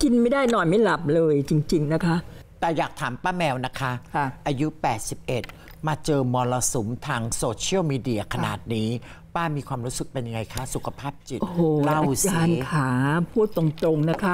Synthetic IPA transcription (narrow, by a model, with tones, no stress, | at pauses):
ki˧nma˥˩jdaː˥˩jnɔː˨˩jma˥˩jla˨˩p̚lɤː˧jt͡ɕi˧ŋt͡ɕi˧ŋna˦˥kʰa˦˥ʔt̪ɛː˨˩jaː˨˩k̚t̪ʰaː˩˦mpaː˥˩mɛː˧wna˦˥kʰa˦˥˧ʔaː˧ju˦˥pɛː˨˩t̪̚si˨˩p̚ʔe˨˩t̪̚ | maː˧t͡ɕɤː˧mɔː˧la˧su˨˩˦mt̪ʰaː˧ŋsoː˧t͡ɕʰi˥˩əwmiː˧di˧ɐ˧kʰa˧na̰ː˨˩t̪̚niː˦˥ | waː˥˩miː˧kʰwaː˧mɾuː˦˥sɯ˨˩k̚pe˧nja˧ŋa˧jkʰa˦˥su˨˩kʰa˧pʰaː˥˩p̚t͡ɕi˨˩ʔoː˧hoː˨˩la˥˩a˧˩wskaː˧n˦kʰaː˩˦pʰuː˥˩t̪ːo˧ŋt̪ɾo˧ŋna˦˥kʰa˦˥